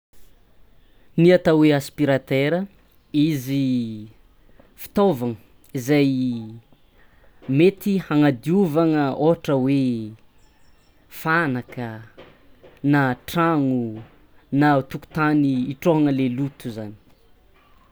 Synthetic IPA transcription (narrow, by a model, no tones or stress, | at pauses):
niat̪aweaspiɾat̪eɾə | izi | fi̥t̪ovaŋə | izaj | met̪ihaŋad̪iuvaŋəoɦaʈ͡ʂəwe | fanakə | naʈ͡ʂaŋu | nat̪uku̥t̪aniːʈ͡ʂoɦaŋəlelut̪uzani̥